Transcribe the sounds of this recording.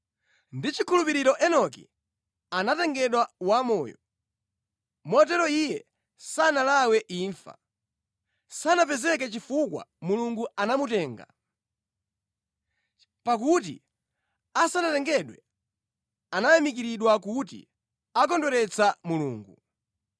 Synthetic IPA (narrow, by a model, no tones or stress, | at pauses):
ndit͡ʃikʰulupiɾiɾɔʔɛnɔkḭ | anatɛŋɡɛɗwawamɔːjɔ | mɔt̬ɛɾɔijɛ | sanalawɛʔiːɱfa̰ | sanap̬ɛzɛk̬ɛt͡ʃifukwa̰muluŋɡuanamutɛːŋɡa̰ | pak̬ut̬ḭ | asanatɛŋɡɛɗwɛ | anajamikiɾiɗwakut̬ḭ | ak̬ɔndwɛɾɛt͡sʰamulṵːŋɡu